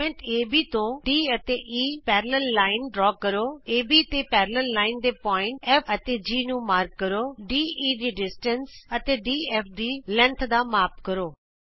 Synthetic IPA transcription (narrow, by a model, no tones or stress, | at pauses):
ɛ̃ɳʈeːbʱiːt̪õːɖiːət̪eːʔiːpɛːɾləllaːɪnɖɾɔːkəɾoːeːbiːət̪eːpɛːɾləllaːɪnd̪eːpɔːɪ̃ɳʈɛpʰət̪eːd͡ʒiːnũːmaːɾk̚ːəɾoːɖiːiːd̪iːɖɪsʈənsət̪eːɖiːɛːpʰd̪iːlɛ̃nt̪ʰd̪aːmaːp̚kəɾoː